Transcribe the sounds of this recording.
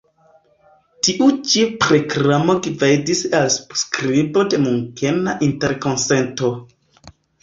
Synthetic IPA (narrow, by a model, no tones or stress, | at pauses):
tiʔut͡ʃipɾo̞kɾamo̞ɡivejdisalsskɾibo̞de̞muŋke̞naʔinte̞ɾko̞nse̞nto̞